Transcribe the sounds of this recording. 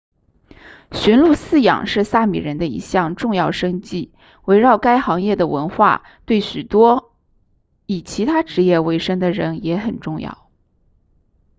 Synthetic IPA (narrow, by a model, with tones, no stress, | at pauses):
ɕɥɛ˧˥nlu˥˧sɹ̩˥˩jɑ̰˨˩ŋʂɻ̩˥˧sa˥˩mḭ˨˩ɻə˧˥nd̪ə˧ḭ˧˥ɕjɑ˥˧ŋʈ͡ʂʊ˥˧ŋjɑ˥˩ʊʂɤ˥ŋt͡ɕi˥˩ | we˧˥ɪɻɑ˥˩ʊka˥ɪxɑ˧˥ŋjɛ˥˩d̪ə˩wə̰˧˥nxwa̰˥˩ | t̪we˥˩ɪɕy˨˩t̪wɔ˥ | i˨˩t͡ɕʰi˧˥t̪ʰa˥ʈ͡ʂɻ̩˧˥jɛ˥˩we˧˥ɪʂɤ˥ŋd̪ə˨ɻə˧˥njɛ˧˥xə˨˩nʈ͡ʂʊ˥˧ŋjɑ̰˥˩ʊ